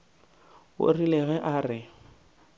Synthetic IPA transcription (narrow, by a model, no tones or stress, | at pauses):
ɣo̰rileɣɛʔaːrɪ